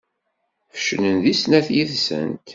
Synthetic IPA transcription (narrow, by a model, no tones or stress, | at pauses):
fə̥ʃnənðisnæθjiðsə̰nt̪